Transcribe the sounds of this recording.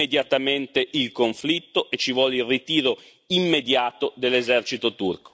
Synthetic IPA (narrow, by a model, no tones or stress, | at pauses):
ed̪jat̪ament̪eʔilkoɱflit̪ːoʔet͡ʃːivwɔlilrit̪iːɾo | imːed̪jaːt̪od̪elːezɛrt͡ʃit̪ot̪urko̥